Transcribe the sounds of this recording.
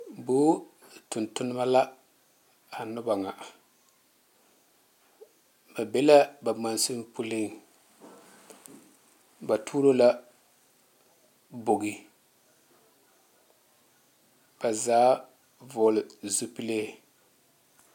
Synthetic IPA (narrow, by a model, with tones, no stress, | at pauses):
buː˦tʊ˨ntʊ˦nʊ˦ma˦la˦ | a˨nʊ˦ba˨ŋa˨ʔ | ba˨be˦la˦ba˨ma˨nsu˦mpu˦lɪ˦ŋ | ba˨tʰuː˦ɾo˦la˦ | bo˨ɡi˨ | b̥a˨zaː˦ | vʊ˨lɪ˨zu˦pi˦le˦